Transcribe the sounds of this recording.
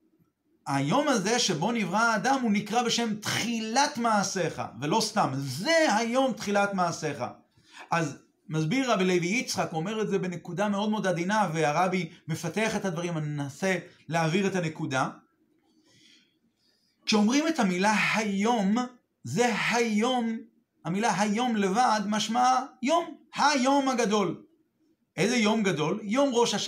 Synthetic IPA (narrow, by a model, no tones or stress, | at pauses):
ajo̞maze̞ʃe̞bo̞nivʁaːd̪amunikʁabe̞ʃe̞mt̪χilatmaːse̞χa̰ve̞lo̞st̪amze̞hajo̞mt̪χilatmaːse̞χa̰ | ʔaz | mazbiʁːabilejviit͡sχako̞me̞ʁetze̞be̞ne̞kud̪ame̞o̞d̪meodad̪inaveaʁabime̞fateaχe̞thad̪vaʁimanenase̞leaviʁethane̞kuda | kʃeo̞mʁime̞thamilahajo̞m | ze̞hajo̞m | hamilaɦajo̞mle̞vad̪maʃmaajomhajo̞mhaɡado̞l | ʔezejo̞mɡado̞ljo̞mʁo̞ʃaʃ